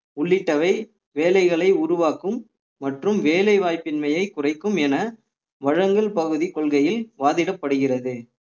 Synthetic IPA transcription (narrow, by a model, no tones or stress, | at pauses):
ʊɭːɪʈːɐʋɐɪ | ʋeːlɐɪɣɐɭɐɪʊɾʊʋaːkɯmː | ɐʈrɯmʋeːlɐɪʋaːjpːɪnmɐjɐɪkːʊrɐɪkːɯmɛnɐ | ʋɐɻɐŋɡɐɭpɐɣɯðikɔɭɣɐjɪlʋaːðɪɽɐpːɐɽɯɣɪrɐðɯ